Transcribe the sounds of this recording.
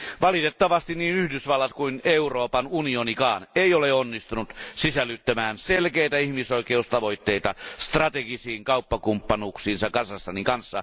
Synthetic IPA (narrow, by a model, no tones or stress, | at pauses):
ʋɑlit̪et̪ːɑʋɑst̪inniːnyhdysʋɑlːɑt̪kuineuroːpɑnunionikɑːneˑioleonːist̪unut̪sisælːyt̪ːæmæːnselkeit̪æihmisoikeust̪ɑʋoit̪ːeit̪ɑst̪rɑt̪eɡisiːŋkɑupːɑkumpːɑnuksiːnsɑkɑnsɑsːɑnikɑnsːɑ̰